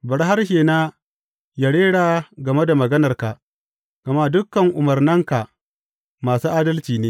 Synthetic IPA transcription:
bɐ˨ɾɦa˦rʃeː˨naː˦ | ja˨ɽeː˦ɽaː˨ɡɐ˨me˦da˨mɐ˨ɡɐ˦nɐ˨rka˨ | ɡ̥ɐ˨ma˦dʊ˦kːɐ˨ŋʔʊ˨mɐ˨rnɐ˦ŋka˨ | maː˨suː˦ʔaː˦dɐ˦lt͡ʃiː˨neː˦

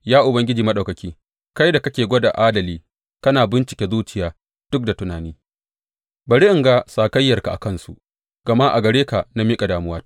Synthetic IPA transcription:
jaː˦ʔʊ˨bɐ˦ŋɡʲɪ˦d͡ʒiː˨mɐ˦ɗɐ˨kɐ˨kʲiː˦ | ka˦jda˨kɐ˦kʲeː˨ɡʷɔ˦da˨ʔaː˦dɐ˨liː˦ | kɐ˦naː˨bɪ˦nt͡ʃɪ̥˨kʲe˦zuː˦t͡ʃɪ˨jaː˨ | d̥ʊ˦k̚da˨tʊ˦naː˨niː˦ | bɐ˨ɽɪ˦ʔɪ˨ŋɡa˦saː˨kɐ˦jːɐ˨rka˨ʔa̰˨kɐ˦nsṵ˨ | ɡ̥ɐ˨ma˦ʔa̰˨ɡɐ˨ɽeː˦ka˨na˦miː˦kʼa˨daː˨mʊ˦waː˦

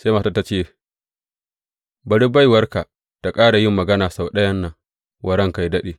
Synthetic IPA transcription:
sa˦maː˨˦ta˦ta˨t͡ʃeː˦˨ | bɐ˨ɽi˦ba˦jwɐ˦rka˨ | ta˨kʼaː˦ɽa˨jɪ˦mːɐ˨ɡɐ˦naː˨sa˨wɗɐ˦jɐ˦nːɐ˨ŋ | wʔɐ˨ɽɐ˦˨ŋka˨jdɐ˦ɗeː˨

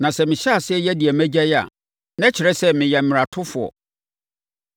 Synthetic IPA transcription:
nã˨sɛ˦mɪ̃˨ɕɛ˦a˨sɪ˦ɛ˦jɛ˦di˨æ˨mæ̃˦d͡ʑɛ˦ja̰˨ | nɛ̃˦t͡ɕʰɪ˨ɾɛ˦sɛ˦mɪ̃˨jɛ˨m̩˨mɪ̃˨ɾa˨tʰʊ̃˦fʊ˨ɔ̰˨

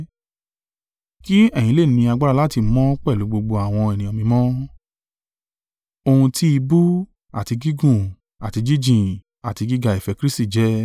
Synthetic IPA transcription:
ki˦ɛ˦˨j̃ĩ˧˦le˦˨nĩ˧a˧ɡ͡ba˦ɾa˧la˦ti˧˦mɔ̃˦k͡pɛ˦˨lu˨˦ɡ͡bo˧ɡ͡bo˧a˨w̃ɔ̃˧ɛ˨nĩ˨ɔ˧mĩ˧mɔ̃˦ | o˧hũ˧ti˦i˧bu˦ | a̰˨ti˧ɡi˦ɡũ˦˨ | a˨ti˧d͡ʒi˦d͡ʒĩ˨ | a˨ti˧ɡi˦ɡa˧˨i˨fɛ˧kɾi˦sti˦˨d͡ʒɛ˦

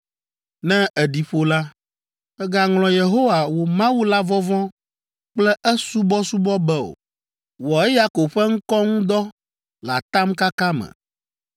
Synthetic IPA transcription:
nɛ̃˦ʔɛ˨ɖi˨ɸo˨la˦ | ɛ˦ɡa˨ŋlɔ̃˨je˨ɦo˦wa˨wo˨mã˦wu˦la˦vɔ˦vɔ̃˦ | k͡plɛ˦ʔɛ˦su˦bɔ˦su˦bɔ˦bɛ˦o̰˨ | wɔ˨ɛ˦ja˦ko˨bɸɛ˦ŋ̩˦kɔ˦ŋũ˦d̪ɔ˦ | la̰˨t̪a˦mka˦ka˦mɛ̰̃˨

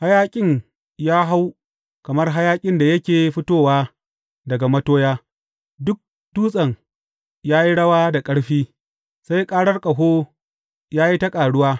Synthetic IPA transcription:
ha˦jaː˦kʲʼɪ˦ŋ | jaː˦ɦa˦w | kɐ˨mɐ˦rɦa˦jaː˦kʲʼɪ˦nda˨jɐ˦kʲeː˨˦ɸɪ˦toː˦˨waː˦ | dɐ˨ɡa˨mɐ˦toː˦jaː˦ | dʊ˦k̚ | tuː˦sʼɐ˨ŋ | jaː˦ji˦ɽɐ˦waː˦da˨kʼɐ˦ɽɸiː˦ | sa˦jkʼaː˦ɽɐ˦rkʼɐ˨ɦoː˦ | jaː˦ji˦tɐ˦kʼaː˨ɽʊ˦waː˦

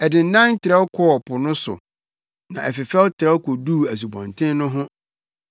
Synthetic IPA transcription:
ɛ˨dɪ˨n̩˨˦nã˦n˦tʰɪ˨ɾɛ˦wkʰɔ˦ɔ˨pʰʊ˨nʊ̃˦sʊ̰˨ | nã˨ʔɛ˨fɪ˨fɛ˦wʊ˦tʰɪ˨ɛ˦wkʰɔ˨du˦˨æ˨s̬u˨bɔ̰̃˨ntʰɪ̃˦nnʊ̃˦ɦʊ̃˦

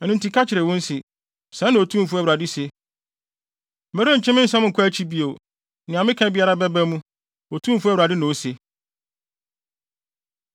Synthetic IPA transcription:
nũ˦n˦ti˨kʰa˦t͡ɕʰɪ˨ɾɛ˨wɔ̃˦n̩˦sɪ˨ | sã˦nːã˨o˨tʰũ˦m̩˨fu˦æ˦wu˨ɾa˨dɪ˦se˦ | m̩˨ɛ˦ɾõ˦ɲ̩˨t͡ɕʰɛ̃˦mɪ̃˦n̩˦sã˦m̩˨kʰæ˦t͡ɕʰi˦bi˨o˨ | nɪ̃˨ã˨mɪ̃˦kʰã˦bi˨˦a˦ɾa˦bɛ˦bæ˦mũ˦ | o˨tʰũ˦m̩˨fu˦æ˦wɾa˨dɪ˦nʊ̃˨o˨˦se˨

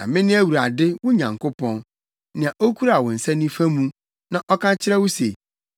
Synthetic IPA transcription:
nã̰˨mɪ̃˦nɪ̃˦æ˦wu˨ɾa˨dɪ˦wʊ˦ɲã˨ŋkʊ˦pʰɔ̃˦n | nɪ̃˨ã˨ʔo˦kʰu˦ɾa˨wɔ˨n̩˨sɛ˦nĩ˦fã˦mũ˦ | nã˨ʔɔ˦kʰã˦t͡ɕʰɪ˦ɾɛ˦wʊ˦se˨

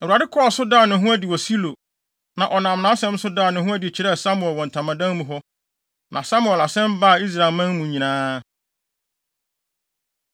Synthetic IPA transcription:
ɛ˨wa˨dɪ˦kʰɔ˦˨sʊ˦daː˦˨nʊ̃˨˦ɦũ˦æ˦di˨wɔ˨si˦lo˨ | nã˨ʔɔ˨nã˨mnã˦sɛ̃˦m˦sʊ˦daː˦˨nʊ̃˨ɦũ˦æ˦di˨t͡ɕʰi˨ɾɛ˦˨sa˦mʊ˨ɛ˨lwɔ̃˨n̩˨tʰã˨mã˨dã˦n˦mũ˨ɦɔ˦ | nʔã˨sa˦mʊ˨ɛ˨la˨sɛ̃˦mba˦˨i˦s̬ɾa˨lmã˦n˦mũ˨ɲĩ˨nãː˦

